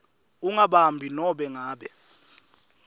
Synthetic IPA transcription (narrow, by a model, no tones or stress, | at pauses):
uŋaɓambʱinɔɓɛŋaːɓɛ